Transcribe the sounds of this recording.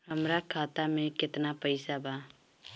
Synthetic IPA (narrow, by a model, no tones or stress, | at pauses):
ɦəmɾakʰaːt̪amẽkɪt̪napəɪsabaː